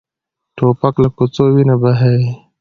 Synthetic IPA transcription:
ʈʰopaklakʊt͡sowinabaɦe

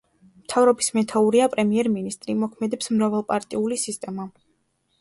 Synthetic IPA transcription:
mt̪ʰavɾɔbismɛt̪ʰauɾiapʼɾɛmiɛɾminist̪ʼɾimɔkʰmɛd̪ɛpsmɾavalˠpʼaɾt̪ʼiulisist̪ʼɛma

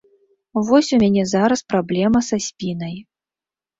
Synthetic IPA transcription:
vɔsʲumʲanʲɛzaɾɐspɾablʲɛmɐsasʲpʲinɐj

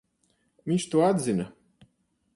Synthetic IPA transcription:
vʲiɲʲt͡ʃt̪uɔad̪zinɐ

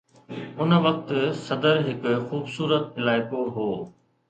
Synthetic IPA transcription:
ʊnə̆ʋɐk̚t̪sɐd̪əɾɦɪkxuːbsuːɾət̪ɦɪlaːɪkoɦoː

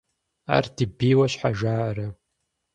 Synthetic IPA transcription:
a̰rdɨbijwaʃħaʒaːɾa

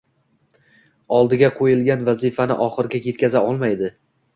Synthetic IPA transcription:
ɒlˠd̪ɪɡʲaqʰojɪlˠɡʲanvazifanɪ̰ʔɒχɨɾɡʲakʰe̞t̪̚kʲazaɒlˠmajd̪ɪ

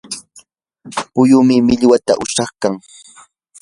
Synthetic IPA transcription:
pʊjʊmɪmɪʎwat̪a̰ʔʊʃɑχkaŋ

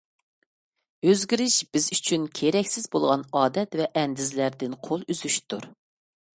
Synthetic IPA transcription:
øzɡʲiɾɪʃb̥ɪzyt͡ʃʰynkʲʰeɾɛkʲsɪzbolˠʁɑnɑːd̪ɛt̪vɛʔɛnd̪ɪzlæɾd̪ɪnqʰolˠyzyʃt̪ʰuɾ

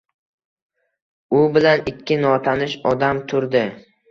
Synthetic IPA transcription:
ʊbɪlanɪkʲʰːɪnɒt̪ʰanɪʃɒd̪amt̪ʰʊɾd̪ɪ

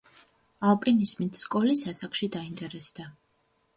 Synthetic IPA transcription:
alˠpʼɾinismit̪ʰskʼɔlisasakʰʃid̪aint̪ʼɛɾɛsd̪̥a

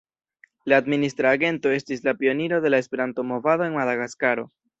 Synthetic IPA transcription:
laːd̪minist̪ɾaɡe̞nto̞e̞stislapio̞niɾo̞ðe̞lae̞spe̞ɾanto̞mo̞vaðo̞e̞ŋmaðaɣaskaɾo̞

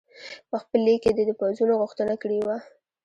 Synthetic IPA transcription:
pəxpəlːikːed̪əd̪əpazunoɣʊxt̪ənakɽiwa

